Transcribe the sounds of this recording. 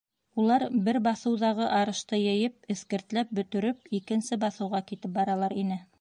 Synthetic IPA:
ulˠɑɾbɘɾbɑθɤ̆wðɑʁɤʔɑɾɤ̆ʃt̪ɤjɘ̆jɘp̚ɘ̆θkɘ̆ɾt̪læp̚bɵ̆t̪ɵ̆ɾɵp̚ikɘ̆nsɘbɑθɤ̆wʁɑkit̪ɘp̚bɑɾɑlˠɑɾinɘ

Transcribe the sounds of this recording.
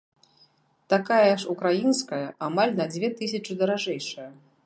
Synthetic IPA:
t̪akajɐaʂukɾajinskɐjɐamalʲnɐd͡zʲvʲɛt̪ɨsʲɐt͡ʂɨd̪ɐɾaʐɛjʂɐjɐ

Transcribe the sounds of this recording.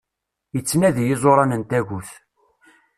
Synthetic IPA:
jət͡sːnæðjɪzˤoɾˤɑnənt̪æʝuθ

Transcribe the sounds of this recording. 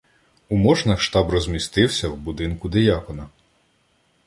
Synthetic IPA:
umɔʒnɐkʃt̪ɑbrɔzʲmʲist̪ɪwsʲɐwbʊd̪ɪnkʊd̪ejɑkɔnɐ

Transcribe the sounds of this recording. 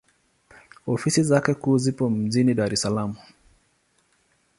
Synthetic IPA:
ɔfisizakɛkuːzipɔm̩ʄiniɗaɾɛsalamu

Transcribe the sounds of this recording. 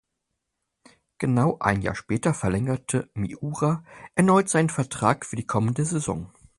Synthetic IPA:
ɡ̥ənaʊʔa̰ɪnja̰ːɐʃpɛːtɐfɛɐlɛŋɐtʰəmḭʔuːʁaʔɛɐnɔʏtz̥aɪnənfɛɐtʁ̥aːkfyːɐdiːkʰɔməndəzezɔ̰ŋ

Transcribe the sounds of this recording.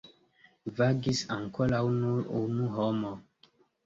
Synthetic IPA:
vaɡisaŋkɔlawnuɾunuɦɔmɔ

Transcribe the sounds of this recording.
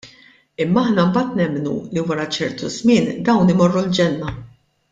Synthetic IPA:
ɪmːɐɐħnɐmbɐːt̪nɛmːnṵliwɐɾɐt͡ʃɛɾt̪uzmɪːnd̪ɐwnɪmɔrːuld͡ʒɛnːɐ

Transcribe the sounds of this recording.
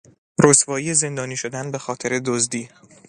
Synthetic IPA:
ɾosvɒːijeze̞nd̪ɒːniːʃod̪ænbe̞xɒːt̪ʰe̞ɾed̪ozd̪iː

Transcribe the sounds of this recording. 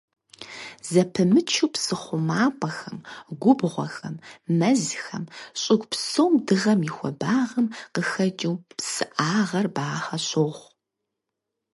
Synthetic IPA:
zɐpʰɨmɨt͡ʃʰuwpsɨχʷʊmaːpʷʰʼɐxɐmɡʷʊbʁʷɔ̰xɐmːɐzxɐmɕʼɪɡʷpsowmdɨʁɐmixʷɔ̰baːʁɐmqəxɐd͡ʒiwpsɨʔaːʁɐrbaːχɐɕʼoʁʷ

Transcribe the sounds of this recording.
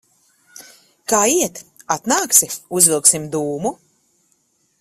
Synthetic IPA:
kaːiɛt̪at̪naːksiuzvʲilˠksimd̪uːmu

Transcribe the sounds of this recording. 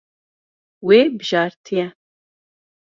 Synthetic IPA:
weːbɨʒɑːɾt̪ʰijɛ

